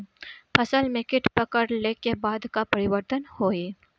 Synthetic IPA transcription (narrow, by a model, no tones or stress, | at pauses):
pʰɐsəlmẽkɪʈpɐkəɾleːkebaːd̪kapɐɾɪʋəɾt̪ənhoːi